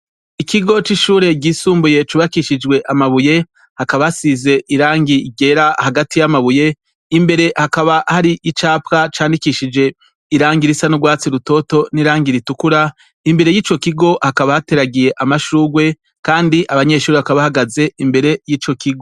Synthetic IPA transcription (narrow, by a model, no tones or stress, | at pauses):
ikiɡo̞t͡ʃiʃuːɾe̞ɟiːsuːmbuje̞t͡ʃuβakiʃid͡ʒɡwe̞ʔamaβuje̞ | hakaβahasize̞ʔiɾaːŋɡiɡe̞ɾahaɡatijamaβuje̞ | imbe̞ɾe̞hakaβahaɾiʔit͡ʃaːpkat͡ʃaːndikiʃid͡ʒe̞ | iɾaːŋɡiɾisanuɡwaːt͡siɾuto̞to̞niɾaːŋɡiɾitukuɾa | imbe̞ɾe̞jiːt͡ʃo̞kiɡo̞hakaβahate̞ɾaɡije̞ʔamaʃuːɡwe̞ | kaːndiʔaβaɲe̞ːʃuːɾeβakaβahaɡaze̞imbe̞ɾe̞jiːt͡ʃo̞kiɡo